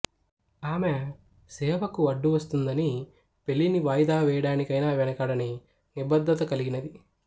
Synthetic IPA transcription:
aːme | sɛːʋɐkuɐɖːuʋɐst̪und̪ɐni | pe̞lːiniʋaːjd̪aːʋɛːjɐɽaːnikɐjnaːʋɛnɐkaːɽɐni | nibɐd̪ːɐt̪ɐkɐliɡinɐd̪i

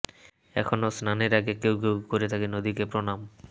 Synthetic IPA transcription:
ɛ̰kʰonosnaneɾaɡekewkewkoɾet̪ʰakenod̪ikepɾonam

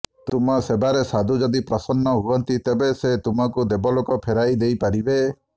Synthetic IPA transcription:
t̪umɔsebaɾesad̪ʱud͡ʒɔd̪ipɾɔsɔnːɔɦuɔnt̪it̪ebeset̪umɔkud̪ebɔlokɔpʰeɾajd̪ejpaɾibe

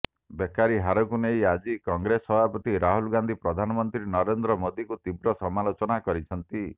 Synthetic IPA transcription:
bekaɾiɦaɾɔkunejad͡ʒikɔŋɡɾesɔbʱapɔt̪iɾaɦulɡand̪ʱipɾɔd̪ʱanɔmɔnt̪ɾinɔɾend̪ɾɔmod̪ikut̪ibɾɔsɔmalot͡ʃɔnakɔɾit͡ʃʰɔnt̪i

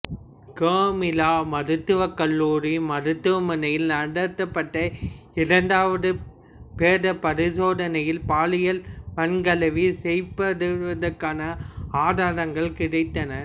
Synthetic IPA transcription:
kaːmɪlaːmɐɾɯt̪ːɯʋɐkːɐlːuːɾimɐɾɯt̪ːɯʋɐmɐnɐjɪlnɐɽɐt̪ːɐpːɐʈːɐ | ɪɾɐɳɖaːʋɐðɯ | peːðɐpːɐɾɪsoːðɐnɐjɪlpaːlɪjɐlʋɐnɡɐlɐʋisɛjpɐɽɯɯʋɐðɐɾkːaːnɐaːðaːɾɐŋɡɐɭkɪɽɐɪt̪ːɐnɐɾ

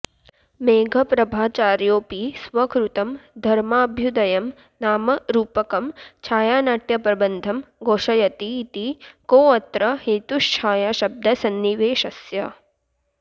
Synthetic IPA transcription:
meːɡʱɐpɾɐbʱaːt͡ʃaːɾjoːpisʋɐkɾut̪ɐmd̪ʱɐɾmaːbʱjud̪ɐjɐm | naːmɐɾuːpɐkɐmt͡ʃʰaːjaːnaːʈjɐpɾɐbɐnd̪ʱɐmɡoːʃɐjɐt̪it̪ikoːɐt̪ɾɐheːt̪uʃt͡ʃʰaːjaːʃɐb̚d̪ʱɐsɐnːiʋeːʃɐsjɐ

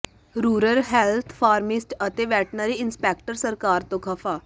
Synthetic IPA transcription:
ɾuːɾəɾɦɛːlt̪ʰpʰaːɾmɪsʈət̪eːʋɛːʈʰnaːɾiːɪnspɛːk̚ʈəɾsəɾkaːɾt̪õːkʰəpʰaː

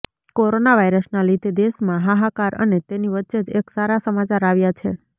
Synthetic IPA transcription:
koɾonaʋaiɾəsnalid̪ed̪eʃmãɦaɦakaɾʔə̰net̪eniʋətːʃed͡ʒeksaɾasəmat͡ʃaɾaʋjat͡ʃʰḛ

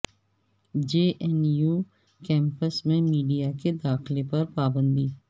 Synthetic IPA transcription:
d͡ʒeːʔɛnjuː | kɛ̃ːmpəsmẽmiːɖijaked̪aːxlepɐɾpaːbə̃nd̪iː

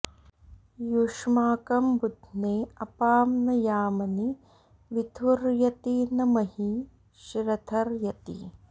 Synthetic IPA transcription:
juʂmaːkɐmbud̪ʱneːɐpaːmnɐjaːmɐni | ʋit̪ʰuɾjɐt̪inɐmɐhi | ʃɾɐt̪ʰɐɾjɐt̪ḭ

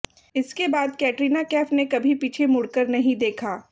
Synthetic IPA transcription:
ɪskebaːd̪kɛːʈɾiːnakɛːfnekɐbʱipiːt͡ʃʰemʊɽkəɾnɐɦĩd̪eːkʰaː

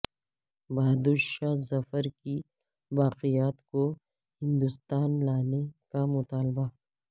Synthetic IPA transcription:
baːd̪uʃaːzɐfəɾki | ʋaːqijaːt̪ko | hɪ̃nd̪ʊst̪aːnlaːnekamʊt̪aːlba

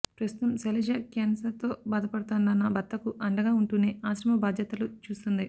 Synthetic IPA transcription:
pɾɐst̪u̥t̪ɐmselɐd͡ʒɐkaːnsɐɾt̪o̞ːbaːd̪ɐpɐɽɐt̪aːndɐnːɐbɐt̪ːɐkuʔɐɳɖɐɡaːuɳʈune̞ːaːsɾɐmɐbaːd̪ʱjɐt̪ɐlut͡ʃuːst̪und̪i

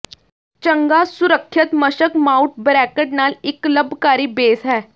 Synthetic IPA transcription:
t͡ɕəŋɡasuɾəkʰːjət̪məɕəkmauʈ̚bɾækəʈnalikləbʱkaɾiːbeːsɦɛː

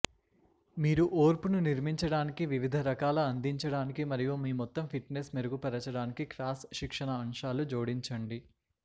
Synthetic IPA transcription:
miːɾuʔoːɾpununiɾmiɲt͡ʃɐɽaːnikiʋiʋid̪ʱɐɾɐkaːlɐɐnd̪iɲt͡ʃɐɽaːnikimɐɾijumiːmɔt̪ːɐmpʰiʈnesmeɾuɡupɛɾɐt͡ʃɐɽaːnikiklaːsʃikʂɐɳɐːmʂaːlud͡ʒoːɽiɲt͡ʃɐɳɖi

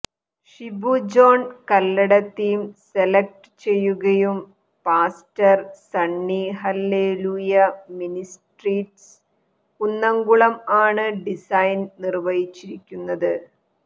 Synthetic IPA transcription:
ʂibud͡ʑo̞ːnkɐlːɐɽɐt̪ːijumselɐk̚ʈɨ̥t͡ɕe̞jːuɣɐjum | paːstɐrsɐɳːiɦɐlːeːluːjɐminisʈriːʈs | unːɐŋɡuɭɐmaːɳɨɖisɐjnnirʋɐjit͡ɕːiɾikʲːunːɐðɨ

